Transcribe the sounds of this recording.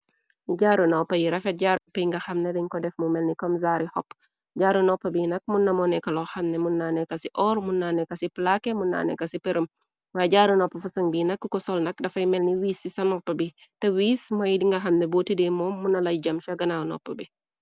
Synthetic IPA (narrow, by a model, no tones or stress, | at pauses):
uɟaːɾunopɐjiɾɐfɛt̚ɟaɾpːɐjiŋɡɐxɐmnedɐɲkɔdɛfmumɛlnikɔmzaːɾihɔpː | ɟaːɾunɔpːɐbinɐk̚munːɐmɔnɛkɐlɔxɐmnemunːanɛkɐsiʔɔːɾmunːanɛkɐsiplakemunːa̰ːnɛ̰kɐsipeɾəm | waɟaːɾunopːɐfusɐŋbinɐkːukɔsɔlnɐk̚dɐfɐjmɛlniwiːsːisɐnɔpːɐbi | tɛwiːsmɐjdiŋɡɐxɐmnebotidemɔːmːunɐlɐjɟɐmʃɐɡɐnawnɔ̰pːɐbi